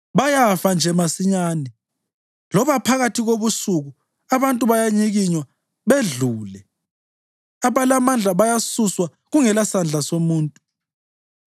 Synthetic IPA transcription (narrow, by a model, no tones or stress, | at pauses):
βajafand͡ʒʱɛmasiɲaːni | lɔβapʰaɣatʰiɣoβusuɣu | aβantʼuβajaɲiɣiɲwa | βeɮuːlɛ | aβalamand͡ɮʱaβajasuswa | ɣuŋɛlasand͡ɮʱasomuːntʼu